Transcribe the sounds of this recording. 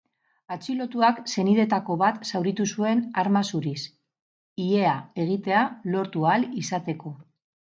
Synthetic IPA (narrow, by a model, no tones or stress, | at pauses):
at͡ʃilo̞t̪uakse̞niðe̞t̪ako̞βat̪sawɾit̪usue̞naɾmasuɾis | ie̞ae̞ɣ̞it̪e̞alo̞ɾt̪ualisat̪e̞ko̞